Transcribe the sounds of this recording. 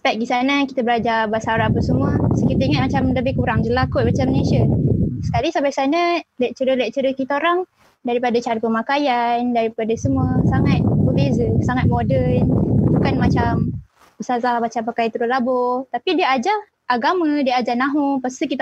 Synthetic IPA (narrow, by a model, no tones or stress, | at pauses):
sə̥pɛt̪̚ɡisanakit̪abəlad͡ʒabasaɾapəsəmuəsəkit̪aiŋat̪̚mat͡ʃamləbɪhkuɾaŋd͡ʒəlakʊʔ̪̚mat͡ʃamənesiasə̥kalisambajsanalaʔt͡ʃəɾəlaʔt͡ʃəɾəkit̪aoɾaŋ | daɾipadat͡ʃaɾapəmakajandaɾipadasəmuəsaŋat̪̚bəbezəsaŋat̪̚modənbukanmat͡ʃam | bəsazahmat͡ʃampakajant̪əɾulabɔt̪apidiəad͡ʒa | ʔaɡamədiəad͡ʒanãɦupast̪ukit̪